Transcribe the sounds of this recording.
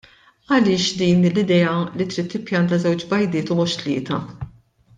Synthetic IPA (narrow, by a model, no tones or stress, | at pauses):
ɐlɪːʃd̪iːnlɪd̪ɛːɐlit̪ɾiːt̪ːɪpjɐnt̪ɐzɛwt͡ʃbɐjd̪ɪːt̪ʊmɔʃt̪lɪ̰ːt̪ɐ